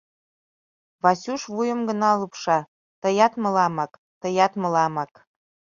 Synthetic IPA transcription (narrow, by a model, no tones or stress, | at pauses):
βɑsʲuʃβujə̆mɡə̆nɑlupʃɑ | t̪ɤ̆jɑt̪mɤ̆lɑmɑk | t̪ə̆jɑt̪mɤ̆lɑmɑk